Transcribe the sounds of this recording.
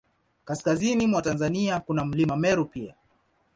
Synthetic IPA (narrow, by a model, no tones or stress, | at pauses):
kaskazinimwatanzaniakunam̩limamɛɾupia̰